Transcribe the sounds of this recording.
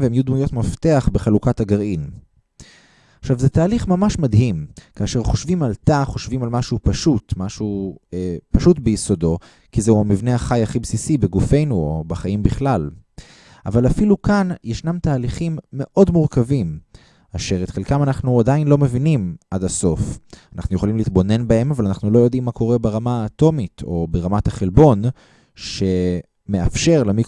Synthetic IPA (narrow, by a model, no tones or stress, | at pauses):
veemjud̪mujo̞t̪maft̪e̞aχbe̞χalukathaɡaʁin | aχʃavzet̪aːliχmamaʃmadɦimkaːʃe̞ʁχo̞ʃvimalt̪aχo̞ʃvimalmaʃupaʃutmaʃuepaʃutbejiso̞do̞ | kizeuhamivneaχajaχibsisibeɡufe̞jnuobaχajimbiχlal | ʔavalafilukanjeʃnamtaːliχimːe̞ʔo̞dmuʁkavim | aʃe̞ʁet̪χelkamanaχnuadainlo̞me̞vinimʔadaso̞fanaχnuje̞χolimleit̪bo̞ne̞nbae̞mavalanaχnulo̞jo̞dimːako̞ʁe̞beʁamaːt̪o̞mitʰo̞beʁamataχelbo̞n | ʃe̞ | me̞afʃe̞ʁlemi